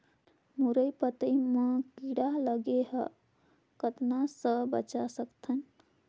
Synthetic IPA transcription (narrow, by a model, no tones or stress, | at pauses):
muɾəjpət̪əmə̃kiɽaləɡeɦə | kət̪nasəbə̰t͡ʃasəkt̪ʰən